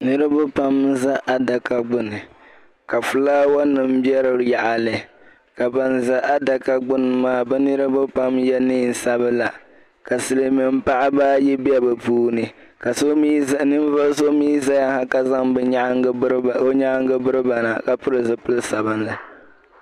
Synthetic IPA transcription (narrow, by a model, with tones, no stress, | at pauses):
nɨ˦ɾɨ˦ba˦pa˦mza˦ʔa˦da˨ka˦ɡ͡bʊ˦nɨ˨ | ka˨fɨ˨laː˦wa˦nɨ˨m˦bi˦ɛ˦ɾɨ˨ɾja˨ʔa˨lɨ˨ | ka˨ba˨nza˦ʔa˦da˨ka˦ɡ͡bʊ˦nɨ˨maː˦˨bɛ˦nɨ˦ɾɨ˦ba˦pa˦mjɛ˦ni˦˨n̩˨sa˦bɨ˦la˨ | ka˨sɨ˨lɨ˦mɨ˨m̩˦pa˦ʔa˦baː˦ji˦bi˦ɛ˦bɨ˨puː˦nɨ˨ | ka˨so˦i˦˨nɨ˦m˦va˦lso˦miː˦za˦ja˦ha˦ka˦za˦ŋbɾo˦ɲa˦ʔŋɡɨ˦bɨ˦ɾɨ˦ba˨na˨ka˨pɨ˦ɾɨ˨zɨ˨pɨ˦lsa˨ba˦nla˨